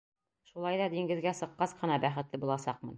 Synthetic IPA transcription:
ʃulˠɑjd̪ɑd̪iŋɡɘ̆ðɡæsɤ̆qːɑsqɤ̆nɑbæχɘ̆t̪lɘbulˠɑsɑqmɤ̰̆n

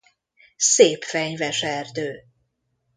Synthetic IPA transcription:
seːpfɛɲvɛʃɛrd̪øː

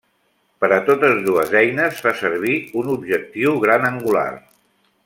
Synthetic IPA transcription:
pəɾət̪ot̪əzðuəzɛjnəzfasəɾβ̞iunubʒək̚t̪iwɣɾanəŋɡula̰r

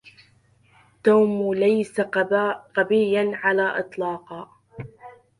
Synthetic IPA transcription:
t̪awmlajsaqɑbɪjːanʕalaːʔɨt̪ˤlɑːqɑː

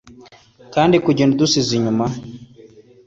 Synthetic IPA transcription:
kaːndikuɟenudusiziɲuma

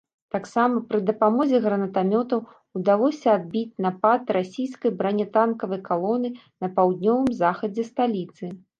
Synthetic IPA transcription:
t̪aksamɐpɾɨd̪ɐpamɔzʲɛɣɾɐnɐt̪amʲɔt̪ɐw | ud̪alˠɔsʲɐːd̪̚bʲit͡sʲnapat̪rasʲijskɐjbɾanʲɛt̪ankɐvɐjkalˠɔnɨ | nɐpawd̪̚nʲɔvɨmzaxɐd͡zʲɛst̪alʲit̪sɨ

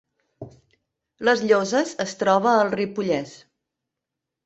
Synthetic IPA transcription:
ləzʎozəzəst̪ɾɔβəːlˠripuʎɛs

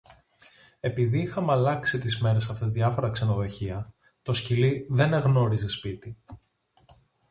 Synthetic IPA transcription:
e̞piðiixɐmɐlɐksit̪izme̞ɾe̞sɐft̪e̞zðʝɐfo̞ɾɐkse̞no̞ðo̞çiɐ | t̪o̞sciliðe̞ne̞ɣno̞ɾize̞spit̪i

